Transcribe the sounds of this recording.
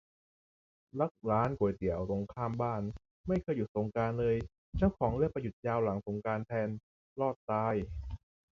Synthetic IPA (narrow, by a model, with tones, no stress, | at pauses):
la˦˥˩k̚ɾaː˦˥nku˨˩˦jt̪i˩˦əwɾo˨˩ŋkʰaː˥˩mbaː˥˩n | ma˥˩jkʰɤː˧jːu˨˩t̪̚so˨˩˦ŋkaː˧nlɤː˧j | t͡ɕa˥˩wkʰɔː˩˦ŋlɯ˥˩əkpa˧ju˨˩t̪̚jaː˧wla˨˩˦ŋso˨˩˦ŋkaː˧nt̪ʰɛː˧n | lɔː˥˩t̪̚ːaː˧j